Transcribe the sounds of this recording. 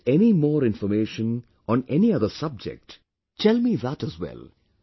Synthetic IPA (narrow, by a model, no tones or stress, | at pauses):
ɛnimɔːɾɪ̃nfəmeːʃə̃n | ɔ̃nɛniʌd̪əsʌb̚d͡ʒɛ̰k̚ʈ | ʈʰɛlmiðæʈəzwɛ̰l